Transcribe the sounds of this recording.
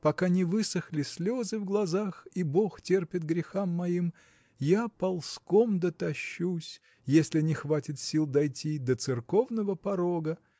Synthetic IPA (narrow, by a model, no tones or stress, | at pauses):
pɐkanʲɪvɨsəxlʲɪsʲlʲo̞zɨvɡlˠɐzaxibo̞xtʲerpʲɪt̪̚ɡɾʲɪxamːɐim | japɐlˠskomd̪ət̪ɐɕːusʲ | jesʲlʲɪnʲɪxvatʲɪt̪sʲilˠd̪ɐjtʲid̪ət̪sɨrko̞vnəvəpɐɾo̞ɡə